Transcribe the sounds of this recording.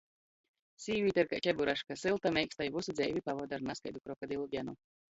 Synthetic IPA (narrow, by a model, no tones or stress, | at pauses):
siːvʲiːt̪ɛɾka̰t͡ʃʲɛbuɾaʃkasɨlˠt̪amʲɛjkst̪ajvusud̪zɛjvʲipavɔd̪aɾnaskajd̪ukɾɔkad̪ilˠɔbjanu